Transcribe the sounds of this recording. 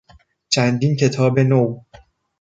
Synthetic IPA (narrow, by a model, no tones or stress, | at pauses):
t͡ʃʰænd̪iːncʰe̞t̪ʰɒːbe̞now